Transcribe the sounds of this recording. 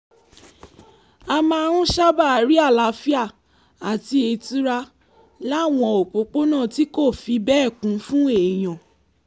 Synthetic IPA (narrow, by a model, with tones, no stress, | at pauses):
a˧mã˦˧a˧ɾ̃ũ˦ʃa˦ba˦˨a˨ɾi˨˦a˦˨la˨˦fi˦a˦˨ | a˨ti˧˦e˧ti˦ɾa˧ | la˦˨w̃ɔ̃˧o˨k͡po˨˦k͡po˦nã˦˨ti˦ko˦˨fi˧bɛ˦˨kũ˨˦fũ˦e˨j̃ɔ̃˨